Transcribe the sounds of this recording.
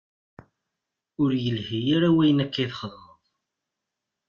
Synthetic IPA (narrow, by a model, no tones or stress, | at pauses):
ʊɾjəlhijaɾawæjənækːiθχðˤəðˤ